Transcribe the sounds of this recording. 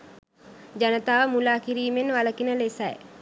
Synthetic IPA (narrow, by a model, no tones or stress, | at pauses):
d͡ʒanət̪aːʋəmulaːkiɾiːmenʋaləkinəlesɛj